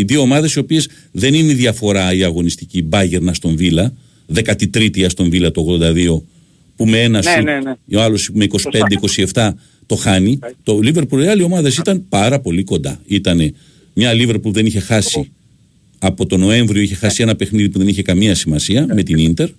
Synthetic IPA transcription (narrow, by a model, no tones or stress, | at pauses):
iðioomɐðesio̞pie̞s | ðe̞nineiðiɐfo̞ɾɐiɐɣo̞nist̪icibɐʝe̞ɾnɐst̪o̞ɱvilɐ | ðe̞kɐt̪it̪ɾit̪iɐst̪o̞ɱvilɐt̪ooɣðo̞nd̪ɐðio̞ | pumeenɐ | oɐlo̞sipumeiko̞si̥pe̞nd̪eiko̞sie̞ft̪ɐ | t̪o̞xɐnit̪o̞live̞ɾpuliɐlio̞mɐðesit̪ɐnpɐɾɐpo̞liko̞nd̪ɐit̪ɐne̞ | mɲɐlive̞ɾpulðe̞niçe̞xɐsi | ɐpo̞t̪o̞no̞e̞ɱvɾioiçe̞xɐsie̞nɐpe̞xniðipuðe̞niçe̞kɐmiɐsimɐsiɐme̞t̪inint̪e̞ɾ